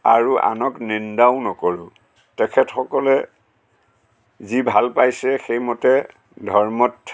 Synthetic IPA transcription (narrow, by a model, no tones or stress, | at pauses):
a̰ɹuʔa̰nɔknindaʊnɔkoɹʊ | tɛkʰɛtxɔkɔlɛ | zibʱalpajsɛxejmɔtɛ | dʱɔɹmɔt